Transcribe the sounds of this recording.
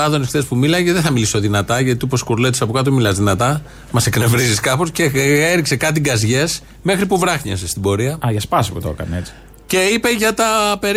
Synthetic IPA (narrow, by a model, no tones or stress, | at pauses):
ɐðo̞nift̪e̞spumilɐceðeθɐmiliso̞ðinɐt̪ɐʝɐt̪iupo̞skuɾlet̪isɐpokɐt̪̬omilɐzðinɐt̪ɐ | mɐsekne̞vɾiziskɐpo̞sceeɾikse̞kɐt̪̬iɡɐzʝe̞s | me̞xɾipuvɾɐxɲɐ̰sest̪ibo̞ɾiɐɐʝɐspɐsi̥put̪o̞̰kɐ̰neet͡si̥ | ce̞ipeʝɐt̪ɐpe̞ɾ